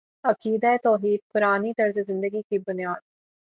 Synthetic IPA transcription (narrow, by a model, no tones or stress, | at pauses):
ɐqiːd̪aet̪ɔːɦiːd̪̚qʊɾaːnit̪ɐɾzezɪ̃nd̪əɡikibʊnijaːd̪̚